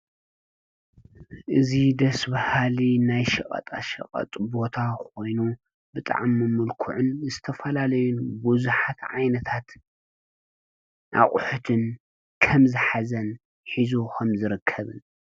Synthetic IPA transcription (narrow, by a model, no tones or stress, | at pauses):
ʔɨzid̪ɐsbɐhalinajʃɐχʼɐ̰t̪ʼaʃɐ̰χʼɐ̰t̪ʼbo̞t̪ʰako̞jnu | bɨt̪ʼa̰ʕmːɨmɨlkʰuʕʊnzɨt̪ʰɐfɐlalɐjunbuzuħat̪ʕajnɐt̪ʰat̪ | ʔa̰χʼʊħut̪ʰɨn | kʰɐmzɨħazɐn | ħizukʰɐmzɨɾɨkʰːɐβɨn